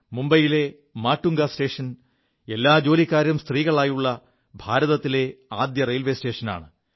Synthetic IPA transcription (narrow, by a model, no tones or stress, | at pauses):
mumbɐjile̞ | maːʈːuŋɡɐste̞ːʂɐn | e̞lːaːd͡ʑo̞ːlikːaːɾjɐmst̪riːɣɐɭaːjuɭːɐ | bʱaːɾɐðɐt̪ːile̞aːd̪jɐrejlʋe̞ːste̞ːʂɐna̰ːɳɨ